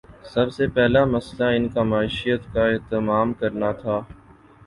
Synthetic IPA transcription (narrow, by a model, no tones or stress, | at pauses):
sɐbseːpɛɦlamɐslaɪnkamaːiːʃijət̪kaeːɦt̪ɪmaːmkɐɾnat̪ʰaː